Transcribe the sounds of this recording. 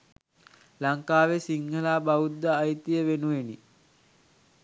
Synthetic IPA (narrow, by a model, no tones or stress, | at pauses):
laŋkaːʋesiŋɡəlaːbaud̪ːəːjt̪ijəʋenuʋeni